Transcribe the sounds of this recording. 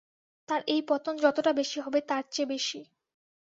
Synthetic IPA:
t̪aɾʔejpɔt̪ond͡ʑɔt̪oʈabeʃiɦɔbet̪aɾt͡ɕebeʃi

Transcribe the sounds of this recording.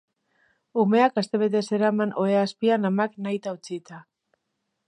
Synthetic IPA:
ume̞akast̪e̞βe̞t̪̬e̞se̞ɾamano̞easpianamaknajt̪aut͡sit̪a

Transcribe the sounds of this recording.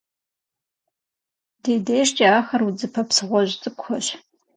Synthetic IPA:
deːdejʂt͡ʃʼɐaːxɐrwud͡zɨpʰɐpsɨʁʷɔʑt͡sʼɨkʷxɔɕ

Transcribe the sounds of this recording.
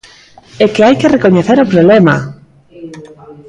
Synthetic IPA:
ekeajkerekoɲeθeɾopɾoβlema̰

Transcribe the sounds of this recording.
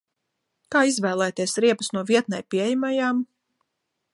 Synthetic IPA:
kaːizvæːlˠæːt̪iɛsɾiɛpɐsnuɔviɛt̪̚najpijmajaːm

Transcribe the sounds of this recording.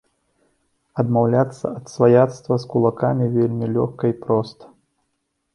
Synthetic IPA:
ɐd̪mawlʲat̪sːɐ̰ɐt̪svajat̪st̪vɐskulˠakamʲivʲelʲmʲilʲɔxkɐipɾɔst̪ɐ̥

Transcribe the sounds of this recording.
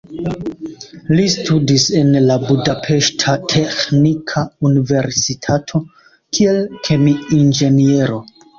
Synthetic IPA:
listʰudise̞nlabudapʰe̞ʃtʰatʰexnikʰaunive̞ɾsitʰatʰo̞ | kʰie̞lkʰe̞miind͡ʒe̞nie̞ɾo̞

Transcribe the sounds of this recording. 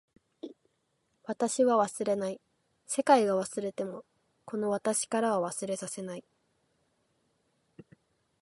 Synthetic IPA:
βat̪aɕiβaβasɨɾe̞nai | se̞kaiɡaβasɨɾe̞t̪e̞mo̞ | ko̞no̞β̞at̪aɕi̥kaɾaβaβasɨɾe̞sase̞nai

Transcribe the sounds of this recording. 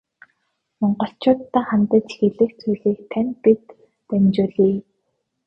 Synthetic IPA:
mɔɴɢɞ̆ɬt͡ɕʊːt̪ːaːχamt̪ə̆t͡ɕxeɮɘ̆xt͡sʰujɮiːk̚t̪ʰænʲpit̪ː | ænʲt͡ɕʊːɮiː

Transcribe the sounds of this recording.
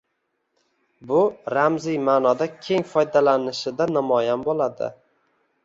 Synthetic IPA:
bʊɾamzijmanɒd̪akʲʰe̞ŋfɒjd̪alanɪʃɪd̪anamɒjanbolad̪ɪ̰

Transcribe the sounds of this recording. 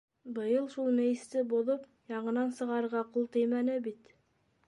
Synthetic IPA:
bɤ̆jɤlˠʃulˠmɘ̆jɘ̆st̪ɘboðop | jɑɴɤ̆nɑnsɤ̆ʁɑɾɤ̆ɾʁɑqulˠt̪ɤjmænɘbit̪

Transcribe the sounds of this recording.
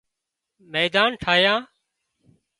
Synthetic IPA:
meːd̪aːnʈʰaːjãː

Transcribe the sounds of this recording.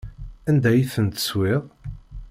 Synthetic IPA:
ænd̪æjiθənt̪ə̥swiʁ

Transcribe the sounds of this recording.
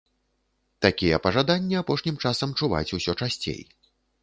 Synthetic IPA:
t̪akʲijɛpɐʐad̪anʲːiapɔʂnʲimt͡ʂasɐmt͡ʂuva̰t͡sʲusʲɔt͡ʂasʲt͡sʲḛj

